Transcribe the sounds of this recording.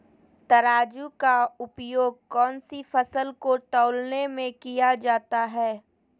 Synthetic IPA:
t̪ɐɾaːd͡ʒukaʊpjoːɡ̚kɔːnsifɐsəlkoʈ̪ɔːʊlnemẽkijad͡ʒaːt̪aɦɛː

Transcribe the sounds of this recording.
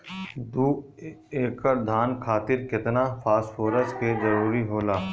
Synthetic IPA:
d̪uː | eːkəɾd̪ʱaːnkʰaːt̪ɪɾkɪt̪nafʰaːsfoːɾəskezɐɾuːɾiɦoːlaː

